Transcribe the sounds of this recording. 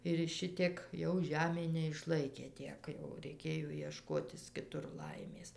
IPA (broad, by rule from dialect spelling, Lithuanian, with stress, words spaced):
ɪr ˈʃʲɪtʲiɛk jɛʊ ˈʒʲæːmʲeː nʲɛɪʃˈlˠɐɪkʲeː ˈtʲiɛk jɛʊ rʲɛɪˈkʲeːjoː iɛˈʃkoːtʲɪs kʲɪˈtʊr ˈlˠɐɪmʲeːs